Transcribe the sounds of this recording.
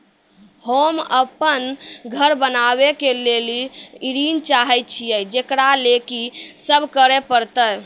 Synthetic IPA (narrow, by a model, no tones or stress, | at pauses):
homəpənɡʱəɾbənaβekeleliiɾint͡ʃaɦɛjt̚t͡ʃʰijəd͡ʒekɾalekisəbʱkəɾepəɾt̪əj